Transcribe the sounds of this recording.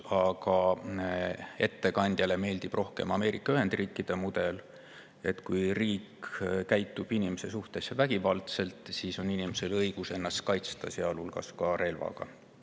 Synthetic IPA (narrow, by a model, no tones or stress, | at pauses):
ɑɡ̥ɑ | e̞̰t̪ːe̞kɑnʲd̪̥jɑle̞me̞ːld̪̥ib̥rʔo̞hke̞̰mɑme̞ːɾikˑːɑyɦe̞nd̪̥riːkːˑid̪̥e̞mud̪̥e̞l | e̞t̪kujriːkkæjt̪ˑːub̥inimese̞suht̪e̞sevæɡ̥ivɑlt̪se̞lt̪ˑsiːso̞ninimese̞lɤjɡ̥use̞nːɑst̪̚kɑjt̪st̪ɑseɑlulɡ̥ɑ̰skɑɾe̞lvɑ̰ɡ̥ɑ̰